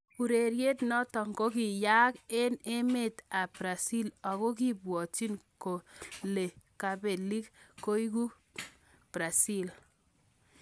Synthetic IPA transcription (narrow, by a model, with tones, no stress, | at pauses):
u˨ɾe˨ɾje˦tnɔ˦tɔ˨ŋɡo˦ki˨ja˦ke˦ne˦me˦˨ta˨pɾa˨si˦la˨ko˦k̬i˦˨bwɔ˨ti˦nko˨le˨ka˨be˨li˦kko˦i˦ku˦ | pɾa˨si˦l